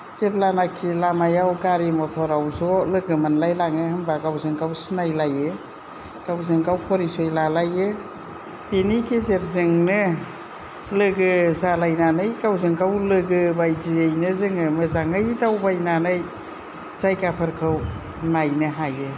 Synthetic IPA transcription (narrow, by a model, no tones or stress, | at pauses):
z̥eblanakʰilamajawɡaɾimɔtʰɔɾawzɔlɯɡɯmɯnlajlaŋɯhɯmbaɡawzɯŋɡawsinajlajɯ | ɡ̥awzɯŋɡawpʰɔɾisɔjlalajɯ | benikʰezeɾzɯŋnɯ | lɯɡɯzalajnanɯjɡawzɯŋɡawlɯɡɯbajdiejnɯzɯŋɯmɯzaŋɯjdawbajnanɯj | z̥ajɡapʰɯɾkʰɯw | najnɯɦajɯ